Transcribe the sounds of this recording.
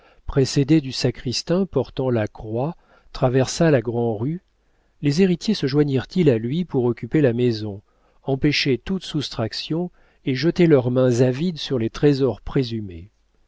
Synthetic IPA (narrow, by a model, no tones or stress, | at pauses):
pχesed̪ed̪ysakχist̪ɛ̃pɔʁt̪ɑ̃lakχwa | t̪χavɛʁsalaɡʁɑ̃ʁy | lezeʁit̪jesəʒwaɲiʁt̪ilalɥipuʁɔkʲypelamezɔ̃ | ɑ̃peʃet̪ut̪sust̪χaksjɔ̃ | eʒət̪elœʁmɛ̃zavid̪syʁlet̪χezɔʁpχezyme